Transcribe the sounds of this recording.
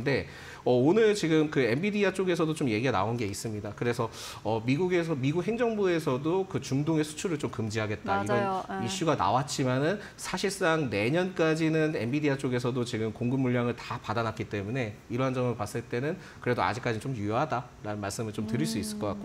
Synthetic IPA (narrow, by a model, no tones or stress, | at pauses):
nde̞ | ʌonɯɭt͡ɕiɡɯmkɯe̞mbidiat͡ɕ͈oɡe̞sʰʌdot͡ɕomje̞ɡiana̰onɡeis͈ɯmɲidakɯɾe̞sʰʌ | ʌmiɡuɡe̞s̬ʰʌmiɡuk̚he̞ŋd͡ʑʌŋbue̞sʰʌdokɯt͡ɕumdoŋe̞sʰu̥t͡ɕʰuɾɯɭt͡ɕomkɯmd͡ʑiɦaɡe̞t̚t͈aiʌniɕ͈uɡana̰wat͡ɕ͈imanɯn | sʰaɕʰiɭs͈aŋne̞ɲʌnk͈ad͡ʑinɯne̞mbidiat͡ɕ͈oɡe̞s̬ʰʌdot͡ɕiɡɯmkoŋɡɯmːuʎːaŋɯɭtapadanak͈it͈e̞mune̞iɾʌɦand͡ʑʌmɯɭpas͈ɯɭt͈e̞nɯn | kɯɾe̞doa̰d͡ʑik͈ad͡ʑint͡ɕomjujʌɦada | ɾanɯnmaɭs͈ɯmɯɭt͡ɕomtɯɾiɭs͈uis͈ɯɭk͈ʌk͈ak͈o